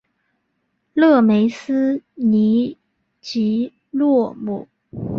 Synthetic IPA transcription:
lɤ˥˩me˧˥ɪsɹ̩˥ni˧˥ | t͡ɕi˧˥ | lwɔ˥˩mu˨˩˦

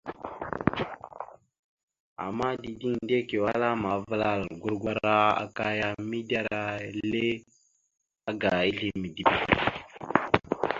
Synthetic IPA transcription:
a̰˨mːa˦di˨di˦ŋde˦ke˨wa˦la˦ma˨˦va˦la˦˨lɡu˦ɾɡʷa˦ɾa˦a̰˨ka˦ja˦mi˦da˦ɾa˦le˦ | a˦ɡa˨i˦ɬi˦mi˨di˦˨bi˨

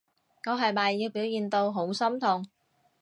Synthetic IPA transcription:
ŋɔː˨˧ɦɐ˨˩jmaː˨˩jːɪ˨k̚piː˨˥wjiː˨˩nt̪o˧wɦo˨˥wsɐ˥mt̪ʰʊ˨˩ŋ

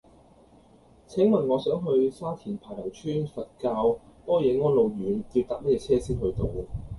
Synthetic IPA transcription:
t͡sʰɛ˨˥ŋmɐ˨˩nŋɔː˨˧sœː˨˥ŋɦɵ˧ɥsaː˥t̪ʰiː˨˩npʰaː˨˩jlɐ˨˩wt͡ʃʰyː˥nfɐ˨t̚kaː˧wpɔː˥jɛː˨˧ŋɔː˥nlo˨˧wjyː˨˥nkiː˧wt̪aː˨˥k̚mɐ˥t̚jɛː˨˧t͡sʰɛː˥siː˥thɵ˧ɥt̪o˨˧w

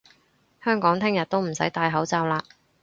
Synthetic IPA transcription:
hœː˥ŋkɔː˨˥ŋt̪ʰɪ˥ŋjɐ˨t̚t̪o˥wm̩˨˩sɐ˨˥jt̪aː˧jɦɐ˨˥wt͡saː˧wlaː˧

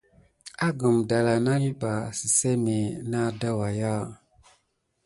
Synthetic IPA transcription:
a˦ɡə˨mda˨la˨na˦li˦ba˨si˨se˦me˨na˦da˦wa˨ja˦

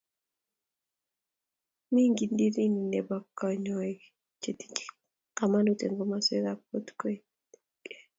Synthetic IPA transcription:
mi˦ŋɡi˨ndi˦ɾi˦ni˨ne˨ba˨kːɔ˨ɲɔ˨ | t͡ʃe˨ti̥˦t͡ʃi̥˦ | ka˨ma˦no˦tḛ˨ŋɡo˦ma˦se˦ɾap̚o˦tko˦i˦ | kɛ̥˦

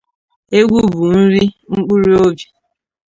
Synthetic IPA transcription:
e˦ɡʷu˦bu˨n̩˦ɾi˦ŋ͡m̩˦k͡pu˦ɾi˦o˦bi˨

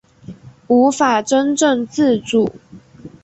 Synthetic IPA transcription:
u˧˥fa˨˩ʈ͡ʂə˦nʈ͡ʂə˥˨ŋt͡sɹ̩˥˨ʈ͡ʂu˨˩˦

